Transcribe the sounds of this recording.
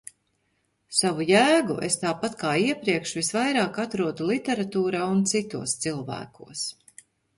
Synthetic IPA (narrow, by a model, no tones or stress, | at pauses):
savujæːɡṵʔḛst̪aːpat̪kaːiɛpɾiɛkʃvisvajɾaːkat̪ɾuɔd̪ulˠit̪ʲeɾat̪uːɾaːunt̪sit̪uɔst̪silˠvæ̰ːkṵɔəs